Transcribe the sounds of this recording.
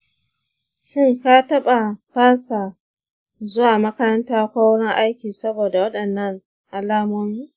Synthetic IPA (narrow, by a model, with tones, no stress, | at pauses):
ʃɪ˦ŋka˦tɐ˦ɓa˨baː˦sa˨ | zʊ˦waː˨mɐ˦kɐ˦ɾɐ˦ntaː˦kʷaː˦wɽɪ˦ŋʔa˦jkʲiː˨sɐ˦boː˨da˨wɐ˦ɗɐ˨nːɐ˦ŋ | ʔa˨laː˦moː˦miː˦